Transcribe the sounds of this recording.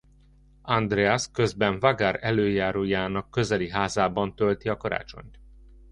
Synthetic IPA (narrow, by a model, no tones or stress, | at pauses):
ɒnd̪rɛaskø̞zbɛɱvaɡaɾɛløːjaːɾoːjaːnɒkːø̞zɛliɦaːzaːbɒnt̪ølt̪iɒkɒɾa̰ːt͡ʃo̞̰ɲt̪